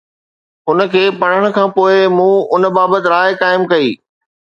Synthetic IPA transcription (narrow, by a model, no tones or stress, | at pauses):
ʊnə̆kʰeːpɐɽ̤əɽ̃̆kʰãːpoːɪmũːʊnə̆baːbət̪ɪɾaːɪkaːɪmkɐiː